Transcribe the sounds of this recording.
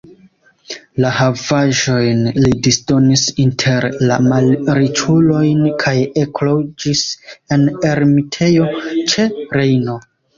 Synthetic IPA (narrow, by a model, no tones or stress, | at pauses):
lahavaʒo̞jnlidisdo̞nisintʰe̞ɾlamalɾit͡ʃulo̞jnkʰajeklo̞d͡ʒise̞ne̞ɾmitʰe̞jo̞t͡ʃe̞ɾe̞jno̞